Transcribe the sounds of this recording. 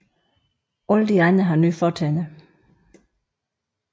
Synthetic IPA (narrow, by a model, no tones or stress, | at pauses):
ɔld̥iɑɪnəɦɑ̈nyːfɒːtʰɛnə